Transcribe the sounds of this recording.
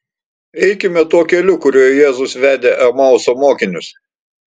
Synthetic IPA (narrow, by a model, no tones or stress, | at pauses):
ɛɪkʲɪmʲɛt̪uɔkʲɛlʲʊkʊɾʲoːjjeːzʊsʋʲæːd̪ʲeːʔɐmɐʊsoːmoːkʲɪnʲʊs